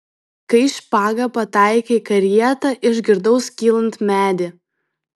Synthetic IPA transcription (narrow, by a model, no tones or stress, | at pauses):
kɐɪʃʲpɑːɡɐpɐt̪ɑɪkʲekɐɾʲjiɛt̪ɐʔɪʒʲɡʲɪɾd̪ɐʊskʲiːlˠɐnt̪mʲæːd̪ʲɪ